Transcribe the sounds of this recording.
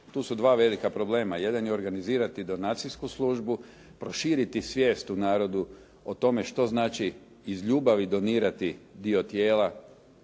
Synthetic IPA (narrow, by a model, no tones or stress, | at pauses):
t̪uːsud̪ʋaːʋe̞likapɾo̞ble̞ːmaje̞d̪anjeo̞ɾɡaniziːɾat̪id̪o̞nat̪siskuslˠuːʒbu | pɾo̞ʃiːɾit̪isʋjeːst̪unaːɾo̞d̪u | ot̪o̞me̞ʃt̪o̞znaːt͡ʃiː | zʎuːbaʋid̪o̞niːɾat̪id̪io̞t̪jeːla